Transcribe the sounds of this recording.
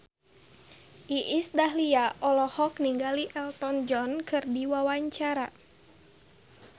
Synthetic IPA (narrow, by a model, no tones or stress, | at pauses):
ʔiʔisdahliaʔɔlɔhɔkniŋɡaliʔɛlt̪ɔnd͡ʒɔnkʰɨrdiwawaɲt͡ʃaɾa